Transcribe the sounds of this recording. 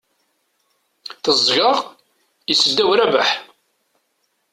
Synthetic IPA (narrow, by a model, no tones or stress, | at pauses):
θəzˤɣəʁ | jəsːəd̪ːæwɾæbəħ